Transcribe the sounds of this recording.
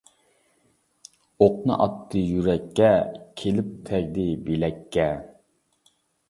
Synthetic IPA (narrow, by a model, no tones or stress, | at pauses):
oqnɨ̰ʔɑt̪ʰːɨjyɾɛkʲːɛkʲʰelɪp̚t̪ʰɛɡʲd̪ɪbelɛkʲʰːɛ